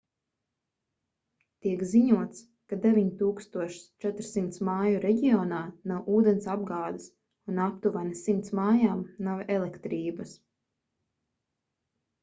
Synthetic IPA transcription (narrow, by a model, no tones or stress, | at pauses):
t̪iɛkziɲuɔt̪s | kad̪evʲiɲt̪uːkst̪uɔʃst͡ʃɛt̪ɾsimt̪smaːjuɾɛɟiɔːnaːnawʔuːd̪ensab̚ɡaːd̪is | unapt̪uvanisimt̪smaːjaːmnavɛlˠekt̪ɾiːbas